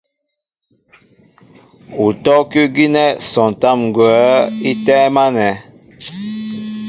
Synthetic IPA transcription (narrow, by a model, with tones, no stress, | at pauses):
u˨tɔ˦kʉ˦ɡi˦nɛ˦sɔ̃˨n˨ta˦˨mŋ˨ɡwɛ˨˦i˦tɛ˦ma˦nɛ˨